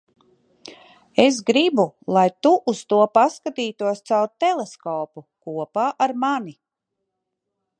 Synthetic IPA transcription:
esɡɾibulˠajt̪uʔust̪uɔpaskat̪iːt̪uɔst̪sawɾ̚t̪ɛlˠeskɔːpukuɔpaːʔaɾmani

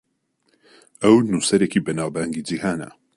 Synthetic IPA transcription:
ɐwnusɐɾeːkiːbɐnaːwbaːŋɡid͡ʒihaːnɐ̰

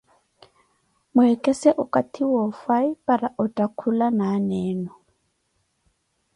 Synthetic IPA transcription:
mʊɛkʼɛsɛʔʊkʼatʰiwɔfaipʼaɾaʔɔtʼakʰulanaːnɛːnɔ

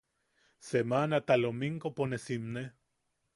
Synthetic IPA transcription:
semanat̪alomiŋkoponesimne

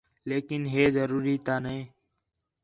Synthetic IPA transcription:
leːkɪnɦeːzəɾuːɾiːt̪aːnẽː

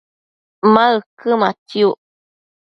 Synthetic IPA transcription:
maɨkɨmatiu

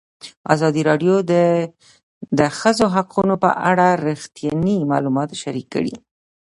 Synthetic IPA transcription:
ɑ̰zɑd̪iɾɑɖjod̪ | d̪əxəzoɦaqunopə̰ʔaɽaɾixt̪jɑnimɑ̰lumɑt̪ʃaɾikːə̰ɽḭ

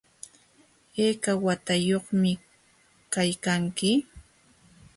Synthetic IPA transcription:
eːkawat̪ajoχmɪ | kajkaŋkɪ

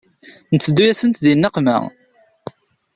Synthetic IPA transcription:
nət͡sːəd̪ːujæsənt̪ðinːəqmə̰ʁ

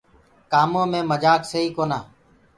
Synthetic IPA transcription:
kaːmõːmẽːməd͡ʒaːksəɦiːkoːnaː

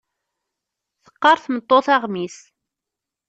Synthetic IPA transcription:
θə̥qːɑɾˤθmət̪ˤːoθɑʁmis

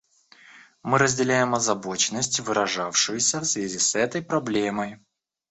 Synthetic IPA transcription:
mɨɾəzʲdʲɪlʲæjɪmɐzɐbo̞t͡ɕɪnːəsʲtʲvɨɾɐʐafʂɨjɪsʲəfsvʲæzʲisɛt̪əjpɾɐblʲe̞məj

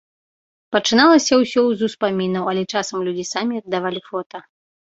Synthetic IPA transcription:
pɐt͡ʂɨnalˠɐsʲɐwsʲɔwzuspamʲinɐwɐlʲɛt͡ʂasɐmlʲud͡zʲisamʲiɐd̪ːavalʲifɔt̪ɐ

